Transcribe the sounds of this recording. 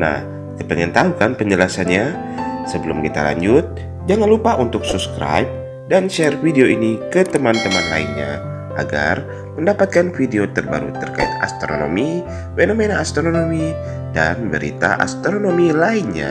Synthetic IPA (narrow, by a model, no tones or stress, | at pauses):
na̰h | kəpəŋənt̪aukanpəɲd͡ʒəlasanɲa | səbəlumkit̪ala̰ɲd͡ʒʊt̪̚ | d͡ʒaŋanlupaʔunt̪ʊk̚supskɾa̰jp̚ | danʃɛrfideoinikət̪əmant̪əmanlainɲa̰ | ʔaɡa̰r | məndapat̪̚kanfideot̪ərba̰ɾṵt̪ərka̰ḭt̪̚a̰st̪ɾono̰mi | fenomenaːst̪ɾononomi | danbəɾḭt̪a̰ʔa̰st̪ɾonomilainɲa̰